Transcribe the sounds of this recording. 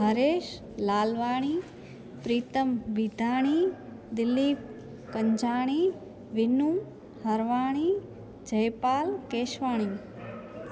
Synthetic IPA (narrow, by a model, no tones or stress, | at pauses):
ɦɐɾeːʃ | laːlʋaːɽ̃iː | pɾiːt̪əmʋid̪ʱaːɽ̃iː | d̪ɪlːiːp | kɐɲd͡ʒaːɽ̃iː | ʋɪnum | hɐɾʋaːɽ̃iː | d͡ʒɐjpaːlkeːʃʋaːɽ̃iː